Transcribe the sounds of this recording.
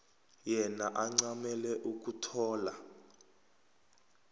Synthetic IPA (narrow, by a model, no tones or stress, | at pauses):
jɛnaʔaŋ͡ǀamɛlɛʔuk̬ʼutʰɔːla